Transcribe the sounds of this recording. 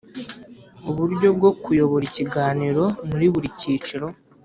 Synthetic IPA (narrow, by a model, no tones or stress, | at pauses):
uβuɾɟo̞b̚ɡo̞kujo̞βo̞ɾiciɡaːniɾo̞muɾiβuɾicit͡ʃiɾo̞